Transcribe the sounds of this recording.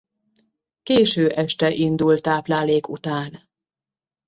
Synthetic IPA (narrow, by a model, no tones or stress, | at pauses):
keːʃøːʔɛʃt̪ɛʔind̪ult̪aːplaːleːkṵt̪aːn